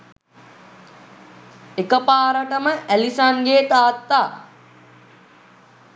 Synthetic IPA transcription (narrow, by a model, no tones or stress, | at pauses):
ekəpaːɾəʈəməʔælisaŋɡeːt̪aːt̪ːaː